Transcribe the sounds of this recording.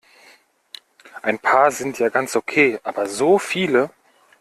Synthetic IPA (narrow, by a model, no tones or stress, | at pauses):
ʔaɪnpʰaːɐzɪntjaːɡant͡sʔokʰeːʔaːbɐzoːfiːlə